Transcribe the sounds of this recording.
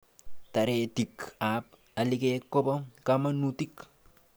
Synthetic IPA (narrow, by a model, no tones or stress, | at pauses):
t̪ɐɾeːt̪ikap̚ | ɐlikekːopɐkɐmɐnut̪ik